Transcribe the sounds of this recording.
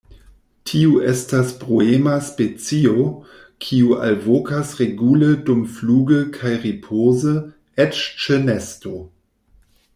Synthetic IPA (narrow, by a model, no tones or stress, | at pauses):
tʰiuʔestaspʁoemaspet͡sio | kʰiua̰lvokasʁeɡulədumfluːɡəkʰajʁipʰozə | et͡ʃt͡ʃenesto